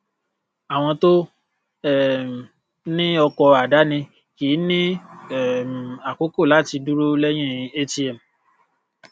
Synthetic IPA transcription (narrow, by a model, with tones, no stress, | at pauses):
a˨w̃ɔ̃˧to˦ | ɛ˦˨m˨ | nĩ˦ɔ˧kɔ˧a˨da˨˦nĩ˧ | ki˨˦nĩ˦ɛ˦˨m˨a˨ko˨˦ko˦˨la˨˦˨ti˧du˦ɾo˦lɛ˦j̃ĩ˦˨ĩ˧e˦ti˦ɛ˨m̩˨